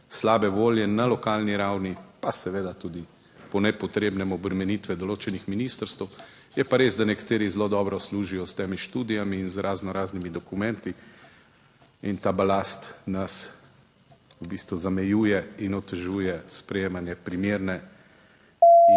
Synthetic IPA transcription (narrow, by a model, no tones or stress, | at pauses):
slaːbɛʋoːljɛnalɔkaːlniɾawnipasɛʋeːd̪at̪uːd̪i | pɔnɛpɔt̪ɾeːbnɛmɔbɾɛmɛnit̪ʋɛd̪ɔloːt͡ʃɛnixminist̪əɾst̪əw | jɛpaɾeːzd̪anɛkḁt̪eːɾizlod̪ɔːbɾɔsluːʒijɔst̪eːmiʃt̪uːd̪ijamiːnzɾʔaːznɔɾaːznimid̪ɔkumɛ̃nt̪i | int̪aːbalaːst̪nas | ubist̪ʋuzamɛjuːjɛinɔt̪ːɛʒuːjɛspɾɛjeːmanjɛpɾimeːɾnɛ